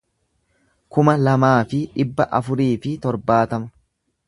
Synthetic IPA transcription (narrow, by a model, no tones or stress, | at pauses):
kʊmɐlɐmaːfɪᶑɪbːɐʔɐfʊɾiːfɪt̪ɔɾbaːt̪ɐmɐ̥